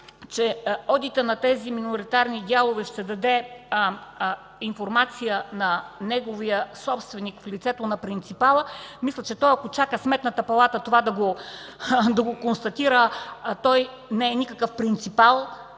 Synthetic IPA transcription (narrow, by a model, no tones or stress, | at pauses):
t͡ʃɛɔd̪it̪ənɐt̪ɛziminoɾit̪aɾnid̪ʲalˠovɛʃt̪ɛd̪ɐd̪ɛ | infoɾmat̪sijənɐnɛɡovijəsɔpst̪vɛnikflit̪sɛt̪onɐpɾint̪sipalˠəmislʲət͡ʃɛt̪ɔjɐkot͡ʃakəsmɛt̪nət̪əpɐlˠat̪ət̪ovad̪ɐɡo | d̪ɐɡokonst̪ɐt̪iɾət̪ɔj | nɛːnikəkəfpɾint̪sipalˠ